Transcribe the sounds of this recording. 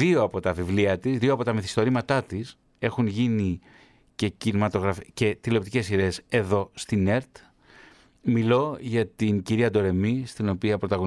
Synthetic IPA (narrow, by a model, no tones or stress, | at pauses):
io̞ɐpo̞t̪ɐvivliɐt̪izðioɐpo̞t̪ɐmiθi̥st̪o̞ɾimɐt̪ɐt̪is | e̞xunʝini | ce̞cinimɐt̪o̞ɣɾɐfice̞t̪ilo̞p̚t̪ice̞siðe̞ːse̞ðo̞st̪ine̞ɾt̪ | milo̞ʝɐt̪inciɾiɐd̪o̞ɾe̞mist̪ino̞piɐpɾo̞t̪ɐɣo